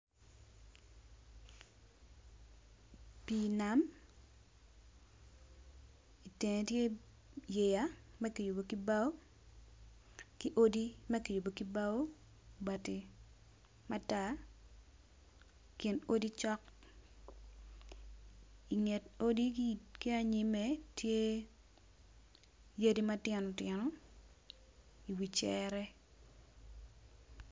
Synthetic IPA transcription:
pi˦na˦m | i˨te˨ŋe˨tje˦ | je˨ja˦mɛ˦ki˨ju˨bo˨ki˦ba˦o˦ | kɪ˦ʔo˦di˦mɛ˦ki˨ju˨bo˨ki˦ba˦o˦ | ba˨te˨ | ma˦ta˦˨ | ki˨no˦di˦t͡ʃɔ˦k | i˨ŋe˨to˦di˦ki˦a˨ɲɪ˨me˨tje˦ | je˦di˦ma˦tjɛ˨nɔ˨tjɛ˨nɔ˨ | i˨wi˨t͡ʃɛɾɛ˦

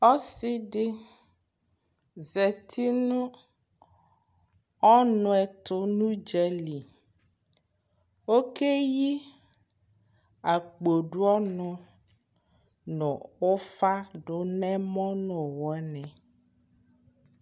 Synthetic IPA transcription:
ɔ˦si˦ɖɪ˦ | zɛ˨t̪ʰi˦nũ˦ | ɔ˦nɔ̃˨ɛ˨t̪ʊ˦nũ˦d͡ʒɛ˦li˨ | wo˦ke˦ji˦ | a˨k͡po˨ɖu˦ɔ˦nɔ̃˨ | nɔ̃˨wo˦fa˦ɖʊ˦nɛ̃˦mɔ̃˦nɔ̃˨wɔ˨˦nɛ̃˨

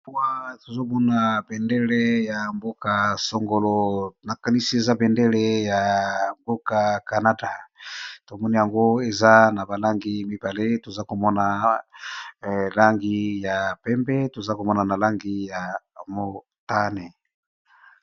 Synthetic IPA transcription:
pu˦a˦to˨zo˦bo˦na˨bɛ˨ndɛ˦le˦ja˨mbo˦ka˨so˨ŋɡo˨lo˨na˨ka˨ni˦si˦e˨za˦bɛ˨nde˦le˦ja˨bo˦ka˨ka˨na˦da˨to˨mɔ˦ni˦ja˨ŋɡo˦e˨za˦na˨ba˨la˦ŋɡi˨˦mi˦ba˨le˦to˨za˦ko˨mɔ˦na˨ | la˦ŋɡi˦ja˨pɛ˦mbɛ˦to˨za˦ko˨mɔ˦na˨na˨la˦ŋɡi˦ja˨mo˨ | ta˦ne˨

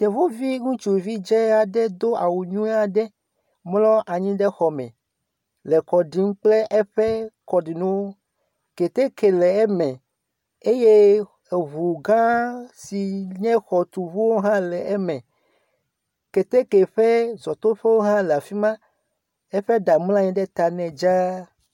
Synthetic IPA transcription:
t̪e˨vo˦vi˦ŋũ˦t͡ʃu˨vi˦d͡ʒɛ˦a˨ɖɛ˦d̪o˦a˨wu˨ɲũ˦a˨ɖɛ˦ | mlɔ˦ʔa˨ɲĩ˦ɖɛ˦xɔ˨mɛ̰̃˨ | lɛ˨kɔ˨ɖi˨˦ŋ̩˦k͡plɛ˦ʔɛ˦ɸɛ˦kɔ˨ɖi˨nũ˦wo˦ | ke˨t̪e˦ke˨lɛ˨ɛ˦mɛ̃˨ | e˦je˦ | e˨βu˨ɡã˦si˨ɲɛ̃˦xɔ˨t̪u˨vu˦wo˦ɦã˦lɛ˨ɛ˦mɛ̃˨ | ke˨t̪e˦ke˨ɸɛ˦zɔ˨t̪o˦ɸe˦wo˦ɦã˦lɛ˨a˨fi˦mã˦ | e˦ɸe˦ɖa˨ml̃ã˦ɲɛ̃˦ɖɛ˦t̪a˨nɛ̃˨d͡ʒa˦

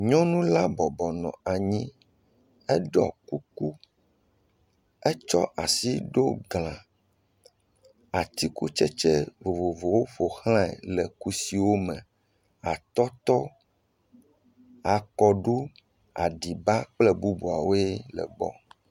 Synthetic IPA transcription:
ɲɔ̃˦nũ˦la˦bɔ˨bɔ˨nɔ̰̃˨a˨ɲĩ˦ | ɛ˦ɖɔ̰˨ku˦ku˦ | ɛ˦t͡ʃɔ̰˦ʔa˨si˦ɖo˦ɡl̃ã˨ | a˨t̪i˦ku˦t͡ʃɛ˦t͡ʃɛ˦vo˨vo˨vo˨wo˦ɸo˨xl̃ã˦ɛ̰˨lɛ˨ku˦si˨wo˦mɛ̃˨ | a˨t̪ɔ˦t̪ɔ˦ | a˨kɔ˨ɖu˦ | a̰˨ɖi˨ba˦k͡plɛ˦bu˦bu˨a̰˨wo˦e˦lɛ̰˨ɡ͡bɔ̰˦

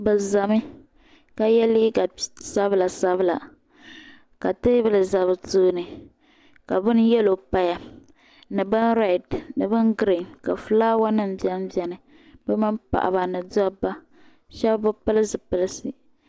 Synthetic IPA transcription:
bɨ˨za˨mɨ˦ | ka˦jɛ˦li˦ɡa˨sa˦bɨ˦la˨sa˦βɨ˦la˨ | ka˨tɨ˦blɨ˨za˨βɨ˨tu˦nɨ˨ | ka˨bɨ˦n˦jɛ˦lo˨pa˦ja˨ | nɨ˨bɨ˦nɾɛ˨dnɨ˨bɨ˦nɡɾi˨nka̰˨fɨ˦laː˦wa˦nɨ˦m̩˨bjɛ˦m˦bjɛ˦nɨ˨ | bɛ˦mɨ˦mpa̰˨ʔa̰˨ba˨nɨ˨dɔ˦bːa˦ | ʃɛ˦bbʊ˦pɨ˦lɨ˦sɨ˨pɨ˦lɨ˦sɨ˨

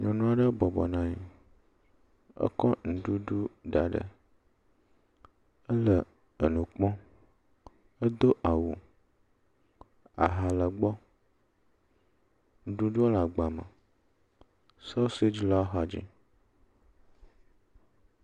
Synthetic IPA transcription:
ɲɔ̃˨nũ˦a˨ɖə˦bɔ˨bɔ˨nã˨ɲḭ˨ | ə̰˦kɔ˦nũ˨ɖu˦ɖu˦ɖa˨ɖə̰˨ | ə˦lə˨ | ə˨nũ˨k͡pɔ̃˦ | ə˦d̪o˦ʔa˨wu˨ | a̰˨ɦa˨lə˨ɡ͡bɔ˦ | nũ˨ɖu˦ɖu˦la˨ɡ͡ba˨mə̰̃˨ | sa˦se˦d͡ʒi˦lɔ˦a˦ɦa˨d͡ʒḭ˦

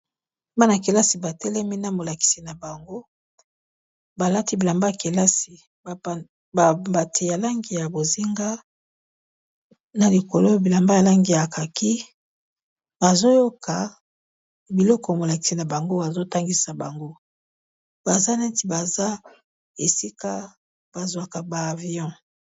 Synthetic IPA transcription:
ba˦na˨ke˨la˦si˨ba˨tɛ˦lɛ˦mi˦na˦mo˨la˨ki̥˨si˨na˨ba˨ŋɡo˦ | ba˨la˦ti˦bi˨la˨mba˦ja˨ke˨la˦si˨ | ba˨ | ba˨ba˨tʰe˨ja˨la˦ŋɡi˨ja˨bo˨zi˦ŋɡa˦ | na˨li˨ko˨lo˦bi˨la˨mba˦ja˨la˦ŋɡi˨ja˨ka˨ki˦ | ba˨zo˦jo˦kʰa˨ | bi˨lɔ˦kɔ˨mo˨la˨ki̥˨si˦na˨ba˨ŋɡo˦ba˨zo˦ta˦ŋɡi˨sa˨ba˨ŋɡo˦ | ba˨za˦nɛ˦ti˨ba˨za˦ | e˨si˦ka˦ | b̥a˨zwa˨ka˨baː˨vi˨˦ɔ̃˦

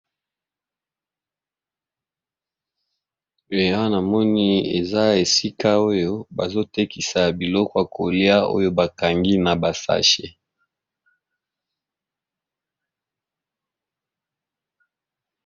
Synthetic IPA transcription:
e˨ja˦na˨mɔ˦ni˦ḛ˨za˦e˨si˦ka˦o˦jo˦ba˨zo˦te˦ki˨sa˨bi˨lɔ˦kɔ˦a˨kʰo˨li˦a˦o̰˦jo˦ba˨ka˨ŋɡi˦na˨ba˨sa̰˦ʃḛ˨

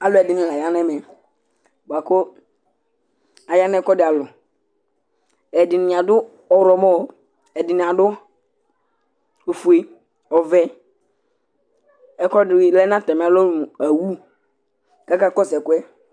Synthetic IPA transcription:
a˨lɛ˨dɪ˨nɪ̃˦˨la˨ja˦n˦ɛ˦mɛ˨ | ba˨ko˦ | a˨ja˦nɛ˦kɔ˦dɪ˨a˨lʊ˨ | ɛ˨dɪ˨nɪ̃˨a˨dʊ˦ | ɔ˨ɾɔ˨mɔ˦˨ | ɛ˨dɪ˨nɪ̃˨a˨dʊ˦ | o˨fu˨e˨ | ɔ˨vɛ˦ | ɛ˦kɔ˦dɪ˦lɛ˦nã˦tɛ˨m˦a˦lɔ˦m˨a˨wu˦ | ka˦ka˦kɔ˦sɛ˨kʊ˦ɛ˦

